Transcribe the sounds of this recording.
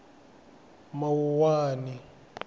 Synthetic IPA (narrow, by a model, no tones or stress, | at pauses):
mawuwaːni